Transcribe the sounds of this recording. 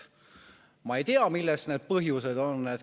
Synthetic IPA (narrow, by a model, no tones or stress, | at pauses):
mɑejt̪eɑmilːest̪neːd̪̥̚pɤɦjused̪o̞nːed̪